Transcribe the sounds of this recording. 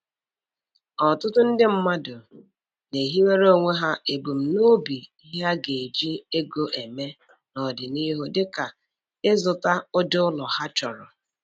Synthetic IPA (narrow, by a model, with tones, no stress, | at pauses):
ɔ˨tʊ˦tʊ˦n̩˦dɪ˦m̩˦ma˦dʊ˨ | ne˨ɦi˦we˦ɾo˦˨ŋʷe˦ɦa˦ʔe˨ɡ͡bu˨m̩˨no˦bi˨i˦ɦa˦ɡe˨e˨d͡ʒi˦e˦ɡo˦ʔe˨me˦ | nɔ˨dɪ˨ni˦ɦo˦dɪ˦ka˨ | ɪ˦zʊ˨ta˦ʊ˦dʊ˦ʊ˦lɔ˨ha˦t͡ʃɔ˨ɾɔ̰˨